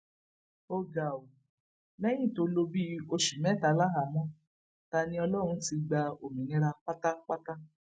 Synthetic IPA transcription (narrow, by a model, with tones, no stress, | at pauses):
o˦ɡa˨o˨ | nɛ˦jĩ˦˨to˧lo˧bi˦o˧ʃi˨mɛ˦ta˨˦˨la˦ɦa˨mɔ̃˦ | ta˧˦nĩ˧˦ɔ˧lɔ˦˨ɾ̃ũ˧˦ti˧ɡ͡ba˧o˨mĩ˨ne˧ɾa˧k͡pa˦ta˦k͡pa˦ta˦